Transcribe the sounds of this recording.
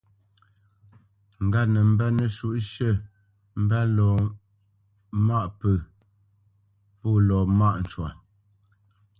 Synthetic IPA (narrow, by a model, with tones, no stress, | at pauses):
ŋ̩˨ɡa˦nə˨m̩˦bɛ˦nə˨ʃu˦˨ʔʃə˦˨ | m̩˦bɛ˦lɔː˨ | ma˦ʔpə˨ | pɔː˦˨lɔ˨ma˦ʔn̩˨t͡ʃwa˨